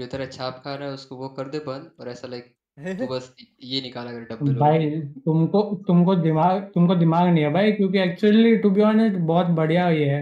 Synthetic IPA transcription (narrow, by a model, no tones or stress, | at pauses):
d͡ʒoːt̪ɐɾãt͡ʃʰaːp̚kʰaːnaɛʊskoʋokɐɾd̪ebɐ̃nd̪ɔːɾɛːsalɐk̚ | obɐsjenɪkaːlaɡɐɾeʈɐbbʱaːit̪ʊmkot̪ʊmkod̪ɪmaːɡt̪ʊmkod̪ɪmaːɡnɐɦĩɦɛbʱaːikjõːkiɛːk̚t͡ʃuəliʈubiɔːnɪʈbɔːt̪bɐɽ̤ijaɦoiɦɛː